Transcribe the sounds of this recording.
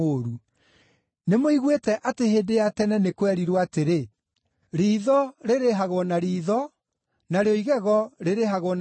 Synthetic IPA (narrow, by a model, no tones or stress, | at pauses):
oːɾu | nemoiɣwetɛʔateheːdejatɛnɛnekwɛɾiɾwateɾe | ɾiːðɔɾeɾeɦaɣwɔnaɾiːðɔ | naɾeoiɣɛɣɔɾeɾeɦaɣɔn